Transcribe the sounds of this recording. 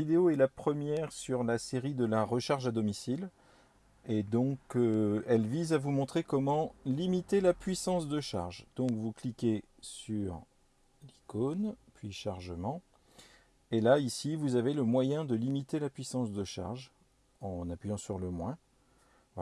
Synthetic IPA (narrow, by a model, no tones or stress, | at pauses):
id̪eoɛlapχəmjɛʁsyʁlaseʁid̪əlaʁəʃaʁʒad̪ɔmisil | ed̪ɔ̃køɛlvizavumɔ̃t̪χekɔmɑ̃limit̪elapɥisɑ̃sd̪əʃa̰ʁʒd̪ɔ̃kvuklikʲe | syʁ | likonpɥiʃaʁʒəmɑ̃ | elaisivuzaveləmwajɛ̃d̪əlimit̪elapɥisɑ̃sd̪əʃa̰ʁʒ | ɑ̃napɥijɑ̃syʁləmwɛ̃ | v